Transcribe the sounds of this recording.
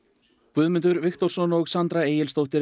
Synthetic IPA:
kvʏðmʏnt̪ʏɾvɪxt̪ɔr̥sɔnɔɣsant̪ɾaeːjɪlst̪owht̪ɪɾ

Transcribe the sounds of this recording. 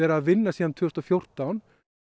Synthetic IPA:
ɛːɾaːðvɪnːasiːðant̪ʰʏʏst̪ɔfjor̥t̪awn

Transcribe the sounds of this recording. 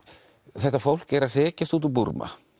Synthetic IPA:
θɛht̪ːafowl̥kɛɾaðr̥ɛːcast̪uːt̪upuɾma̰

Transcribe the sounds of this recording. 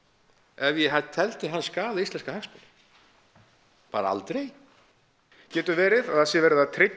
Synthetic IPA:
ɛvjɛɦat̪ʰɛl̥t̪ɪɦanːskaːðaist̪ɛnskahɛkspɪnɪ̥ | pa̰ːɾa̰a̰lt̪ɾej | cɛːt̪ʏvɛːɾɪðaðhasjɛvɛːɾɪðat̪ʰɾɪ

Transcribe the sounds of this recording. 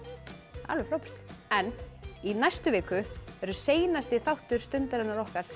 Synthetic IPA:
a̰lvʏfɾawpɛ̥t̪ɪ̥ɛnːinajst̪ʏveːkʏɛɾʏseːjnast̪ɪθawht̪ʏɾ̥st̪ʏnt̪alɛnːaɾɔhkaɾ̥

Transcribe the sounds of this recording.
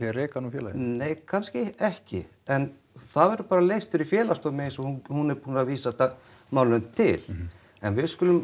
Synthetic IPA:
ɛrɛːkanufjɛːlajneːjkʰanscɪɛhcɪ̰ | ɛn | θaðɛɾʏpaːɾaleːjst̪ʏɾifjɛːlast̪ɔmɪɪnsɔhuhunɛɾpuːnaaviːsaɛt̪a | maːwlʏnt̪ʰɪ̰l̥ | ɛ̰nvɪðskʏlʏm

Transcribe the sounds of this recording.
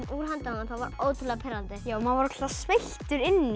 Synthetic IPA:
uɾ̥ɦant̪anaθavaɾoːwt̪ʰɪlɛɣapʰɪɾant̪ɪjaːwmaðvɔɾʏkʰt̪asvejht̪ʏɾɪnːi

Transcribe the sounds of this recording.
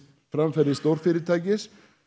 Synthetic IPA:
fɾamfɛɾðɪst̪owɾ̥fɪɾɪɾt̪ʰaːjcɪs

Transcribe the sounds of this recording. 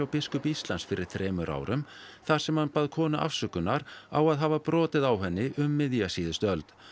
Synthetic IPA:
awpɪskʏpist̪lansfɪɾɪɾ̥θɾɛːmʏɾʔa̰ːwɾʏmθaɾ̥sɛmhanpaːðkʰɔːnaʔa̰fsʏːkʏnːaɾawaðɦaːvapɾɔːt̪ɪðawɦɛnːɪʔʏmːɪðjasiːðɪst̪œlt̪

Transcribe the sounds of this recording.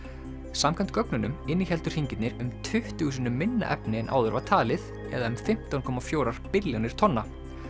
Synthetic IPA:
samkʰamt̪kœknʏnʏmɪnːiçɛlt̪ʏr̥hiɲcɪt̪nɪɾʏmt̪ʰʏht̪usʏnʏmɪnːa̰ʔɛ̰pnɪɛnʔa̰ːwðʏɾvat̪ʰaːlɪð | ɛ̰ðaʏmfɪm̥t̪awnkʰɔːmafjoːwɾaɾ̥pɪljownɪɾ̥t̪ʰɔnːa

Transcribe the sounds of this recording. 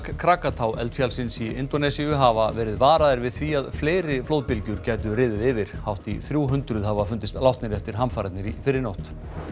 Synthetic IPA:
kkʰɾaːkat̪ʰawʔɛ̰lt̪fjalsɪnsiɪnt̪ɔnɛsiʏɦaːvavɛːɾɪðvaːɾaðɪɾvɪðθviaðfleːjɾɪflowt̪̚pɪlcʏɾcɛːt̪ʏɾɪːðɪðɪvɪɾ̥hawht̪ḭθɾjuːɦʏnt̪ɾʏðhɦaːvafʏnt̪ɪst̪lawht̪nɪɾɛft̪ɪɾ̥ɦamfaːɾat̪nɪɾifɪɾɪɾnowht̪

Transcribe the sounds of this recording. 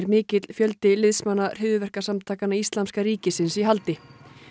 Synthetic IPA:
ɾmɪːcɪt̪l̥fjœlt̪ɪlɪðsmanːar̥ɪðʏvɛr̥kasamt̪ʰaːkanːaist̪lamskaɾiːcɪsɪnsiɦalt̪ɪ

